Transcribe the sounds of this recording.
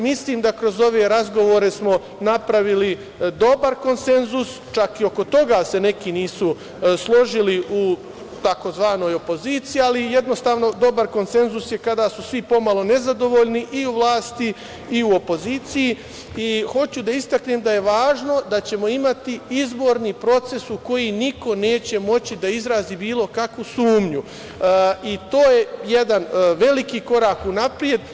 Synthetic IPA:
misliːmd̪akɾo̞zo̞ʋe̞ɾazɡo̞ʋo̞ɾe̞smo̞ | napɾaʋili | d̪o̞baɾko̞nse̞nzus | t͡ʃakio̞ko̞t̪o̞ɡaːse̞ne̞kiniːsu | slˠo̞ʒiliʔu | t̪ako̞zʋaːno̞ːjo̞po̞ziːt̪sijialije̞d̪nost̪aːʋno̞d̪o̞baɾko̞nse̞nzusje̞kad̪aːsusʋipo̞malˠo̞ne̞zad̪o̞ʋo̞ʎniʔiuʋlˠaːst̪iː | uo̞po̞ziːt̪siji | ixo̞t͡ɕud̪aist̪akneːmd̪aje̞ʋaːʒno̞d̪at͡ɕe̞mo̞imat̪iizbo̞ɾnipɾo̞t̪se̞suko̞jiniko̞ne̞ːt͡ɕe̞mo̞t͡ɕid̪aizɾaːzibiːlˠo̞kakʋusuːmɲu | it̪o̞ːje̞je̞d̪anʋe̞likiko̞ɾaːkunapɾije̞d̪

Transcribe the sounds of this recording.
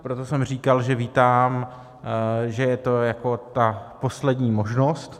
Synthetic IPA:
pɾot̪o̞sɛmr̝iːkalʒɛviːt̪aːm | ʒɛjɛt̪o̞jako̞t̪apo̞slɛd̪ɲiːmo̞ʒnost̪

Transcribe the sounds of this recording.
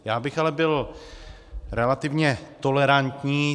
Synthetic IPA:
jaːbɪxalɛbɪl | ɾɛlat̪ɪvɲɛt̪olɛɾant̪ɲiː

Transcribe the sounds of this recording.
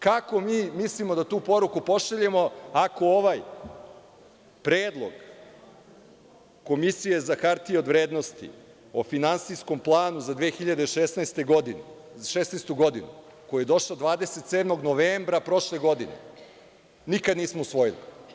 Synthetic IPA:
kako̞miːmislimo̞d̪at̪uːpo̞ɾukupo̞ʃaʎemo̞ako̞oʋaj | pɾeːd̪lˠo̰ɡ | ko̞misije̞zakaɾt̪ieo̞d̪ʋɾeːd̪nost̪ḭ | o̞finansisko̞mplˠaːnuzad̪ʋeːxiʎad̪eʃesnast̪eɡod̪in | ʃesnejst̪uɡo̞d̪inṵ | kojije̞d̪o̞ʃlod̪ʋaːd̪e̞set̪seːd̪mo̞ɡno̞ʋeːmbɾapɾo̞ʃle̞ɡo̞d̪inḛ | nikad̪niːsmousʋo̞jilḭ

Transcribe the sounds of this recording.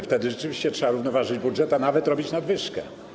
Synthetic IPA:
ft̪ɛd̪ɘʐɛt͡ʂɘvʲiɕt͡ɕɛtʂɛbaɾuvnɔvaʐɘd͡ʑbudʐɛt̪anavɛt̪ɾɔbʲit͡ɕnad̪vɘʂkɛ̰

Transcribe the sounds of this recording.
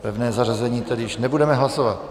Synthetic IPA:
pɛvnɛːzar̝azɛɲiːt̪ɛdɪjɪʃnɛbudɛmɛɦlasovat̪

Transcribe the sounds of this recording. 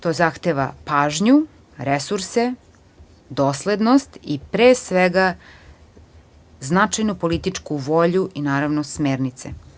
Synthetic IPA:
t̪oːzaxt̪eʋa̰paːʒɲu | ɾesuɾse | d̪oːsled̪nost̪ipɾeːsʋeɡa | znat͡ʃajnupolit̪it͡ʂkuʋo̞ʎuʔinaːɾaʋnosmeːɾnit̪sḛ

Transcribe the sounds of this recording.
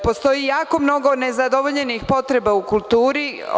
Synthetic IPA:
po̞st̪o̞jijaːko̞mno̞ɡo̞ne̞zad̪oʋoʎe̞nixpo̞t̪ɾe̞baukulˠt̪uːɾi

